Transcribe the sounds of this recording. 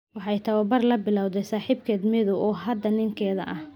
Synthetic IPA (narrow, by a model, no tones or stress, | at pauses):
wɑħɑjt̪ʰɐwɐbɐrlɐbɪlɑwd̪ɛjsaːħiːbkʰɛːd̪mɪðʊʔɔːɦɐd̪ɐnɪŋkʰɛːðɐʔɐh